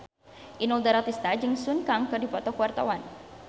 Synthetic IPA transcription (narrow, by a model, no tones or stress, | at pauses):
ʔinɔld̪aɾat̪ist̪ad͡ʒɨŋsunkaŋkərdipɔt̪ɔkuwart̪awan